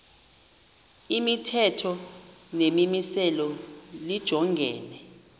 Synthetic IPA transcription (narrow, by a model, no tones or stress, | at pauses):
imitʰɛtʰɔnemimisɛlɔlid̥ʒ̥ʱɔŋɡʱɛːnɛ